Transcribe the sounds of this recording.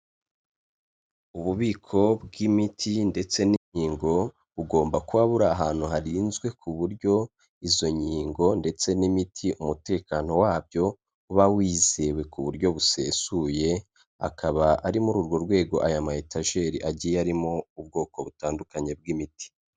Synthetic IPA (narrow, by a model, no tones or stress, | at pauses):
uβuβiːkʰo̞bɡimitʰinde̞t͡se̞niɲiːŋɡo̞ | βuɡo̞ːmbakuβaβuɾaːɦaːn̥huɦaɾiːnzɡwe̞kʰuβuɾɟo̞ | izo̞ɲiːŋɡo̞nde̞t͡se̞nimitʰiʔumute̞ːkaːno̞waːbjo̞ | uβawiːze̞we̞kuβuɾɟo̞βuse̞ːsuje̞ | a̰kʰaβaʔaɾimuɾuɾɡo̞ɾɡwe̞ːɡo̞ʔajamahetaʒe̞ɾiʔaɟijeaɾimo̞ub̚ɡo̞ːko̞βutaːndukaɲe̞bɡimiti̥